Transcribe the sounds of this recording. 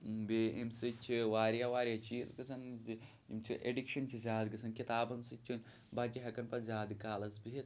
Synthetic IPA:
beemsɨt͡ʃʰiʋaːɾjaːʋaːɾjat͡ʃiːzɡɐsɐnzi | ḭmt͡ʃʰiʔḛɖikʃɐnt͡ʃʰizʲaːd̪ɡɐsʰɐnkit̪aːbɐnsɨt͡ʃʰunʲ | bat͡ʃiɦɐkɐnpɐzʲaːd̪kaːlɐzbiɦit̪

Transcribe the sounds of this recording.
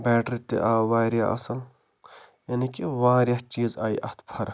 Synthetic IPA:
bɛːʈɾit̪ḭʔaːʋaːɾja̰ʔɐ̰sɐl | jɐnikiʋaːɾjɐt͡ʃiːzaːiʔɐ̰ht̪ʰpʰɐɾ

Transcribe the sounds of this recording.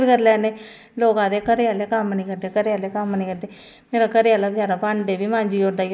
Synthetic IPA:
bikəɾlɛːneː | loːɡãːd̪eːkəɾejaːleːkamːnĩːkəɾd̪eːkəɾejaːleːkəmːniːkəɾd̪e | meːɾaːkəɾjaːlaːbɪd͡ʒaːɾapãːɳɖeːbʱiːmãːɲd͡ʒiːoːd̪aː

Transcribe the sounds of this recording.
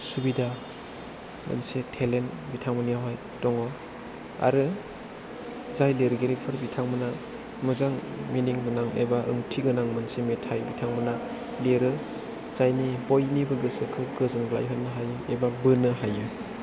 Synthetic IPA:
subida | ma̰nsetʰelenbitʰaŋmɯnijawɦaj | dɔŋɔ | a̰ɾɯ | zajleɾɡeɾipʰɯɾbitʰaŋmɯna | mɯzaŋ | miniŋɡɯnaŋḛbaʔɯ̰ŋtʰiɡɯnaŋmansemetʰajbitʰaŋmɯna | leɾɯ | zajnibojnibɯɡɯsɯkʰɯɡɯzɯŋɡla̰jɦɯnːɯɦajɯebabɯnɯɦajɯ

